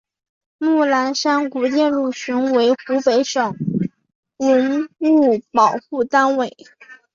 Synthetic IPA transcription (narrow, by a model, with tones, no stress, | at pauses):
mu˥˩la˧˥nʂa˥nku˨˩t̪jɛ˥˧nɻu˥˩t͡ɕʰi˧˥nwe˧˥ɪxu˧˥pe˧˥ɪʂɤ˨˩˦ŋ | wə˧˥nu˥˩pɑ˨˩ʊxu˥˩t̪a˥nwe˥˩ɪ